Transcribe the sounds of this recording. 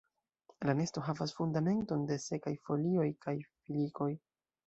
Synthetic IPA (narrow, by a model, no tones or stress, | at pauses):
lane̞sto̞ɦavasfundame̞nto̞nde̞se̞kajfo̞lio̞jkajfiliko̞j